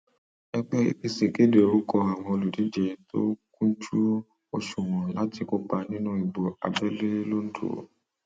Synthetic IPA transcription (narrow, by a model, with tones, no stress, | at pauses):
ɛ˦k͡pɛ˦ḭ˦i˧se˨ke˦de˨o˨ɾu˦kɔ˧a˨w̃ɔ̃˧o˧lu˨di˨˦d͡ʒɛ˧to̰˦kũ˦t͡ʃu˦ | o˧ʃu˨w̃ɔ̃˨la˦ti˧ko˦ɡ͡ba˧nĩ˦nũ˦i˨bo˨a̰˨bɛ˦le˦lo˦n̩˦do̰˨